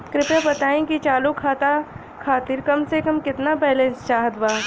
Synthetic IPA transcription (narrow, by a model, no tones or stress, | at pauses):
kɾɪpjabɐt̪aːẽkit͡ʃaːlukʰaːt̪a | kʰaːt̪iɾkɐmsekɐmkɪt̪nabɛːlẽst͡ʃaːɦət̪baː